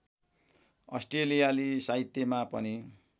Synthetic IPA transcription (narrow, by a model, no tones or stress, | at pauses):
ʌ̰sʈrelijalisaɦit̪ːjemapʌ̰ni